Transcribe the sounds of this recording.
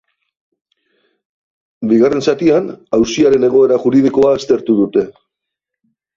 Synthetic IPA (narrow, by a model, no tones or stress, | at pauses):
biɣare̞nsat̪ianawsiaɾe̞ne̞ɣ̞o̞e̞ɾaʝuɾið̞iko̞aest̪e̞ɾt̪uð̞ut̪e̞